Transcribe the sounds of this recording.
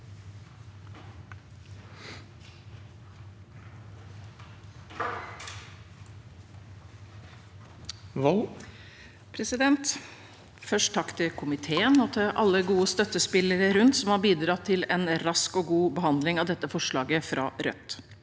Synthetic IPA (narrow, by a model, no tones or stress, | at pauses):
ʋɔ | pʰɾɛsɪd̪ɛnt̪ | fœʂʈt̪ʰɑkt̪ʰɪkʰʊmɪt̪ʰeːənɔːt̪ʰɛʔɑ̰lːəɡuːəst̪œt̪ːəspɪləɾəɾʉnt̪sɔmhɑːɾbiːd̪ɾɑt̪ʰːɪlɛnɾɑskoːɡuːbəhɑnd̪lɪŋɑːʋd̪ɛt̪ːəfɔʂɭɑːɡəfɾʔɑ̰ːɾœ̰t̪